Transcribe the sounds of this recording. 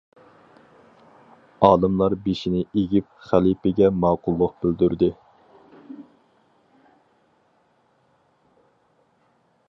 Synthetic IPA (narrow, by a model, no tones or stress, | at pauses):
ɑːlˠɨmlˠɑɾbeʃinɪeɡʲip̚χælipɪɡʲɛmɑːqʊlˠːʊq̚b̥ɪld̪yɾd̪ɪ